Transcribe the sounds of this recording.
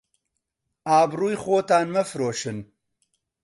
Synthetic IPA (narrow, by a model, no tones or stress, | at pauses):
aːbruːjxoːt̪aːnmɛfɨɾoːʃɨn